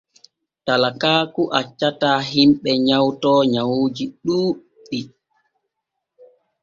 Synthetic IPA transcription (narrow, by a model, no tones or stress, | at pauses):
talakaːkuʔat͡ʃːataːɦimɓɛɲawtɔːɲawoːd͡ʒiɗuː | ɗi